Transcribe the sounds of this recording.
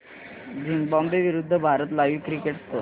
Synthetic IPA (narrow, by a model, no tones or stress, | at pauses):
d͡ʑʱiŋbɔmbeʋiɾud̪ʱːəbʱaɾət̪laʋiːkɾikeʈst̪o